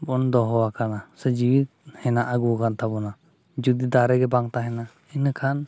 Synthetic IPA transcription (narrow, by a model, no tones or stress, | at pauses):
bɔnd̪ɔɦɔwakanasəd͡ʒiwit̪̚hɛnaʔaɡukant̪ʰabɔna | d͡ʒud̪id̪aɾɛɡɛbaŋt̪aɦɛna | inəkʰan